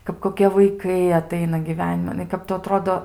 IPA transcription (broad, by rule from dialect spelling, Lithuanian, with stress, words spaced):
kɐp koːˈkʲiɛ ʋɐɪˈkɐɪ ɐˈtɐɪnɐ ɡʲiːˈʋʲæːnʲɪmɐn nʊ ɪ ˈkɐp tʊ ɐˈtroːdoː